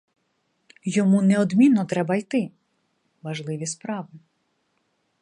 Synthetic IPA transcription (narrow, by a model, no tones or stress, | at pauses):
jɔmunɛɔd̪mʲinːɔt̪ɾɛbɐjt̪ɪ | ʋɐʒlˠɪʋʲispɾɑʋɪ